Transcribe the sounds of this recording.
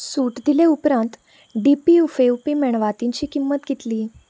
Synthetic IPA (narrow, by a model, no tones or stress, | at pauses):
suʈd̪ileupɾãnt̪ | ɖipiufeupimɛɳ̃ʋat̪iɲt͡ɕiːkimːət̪ɡit̪liː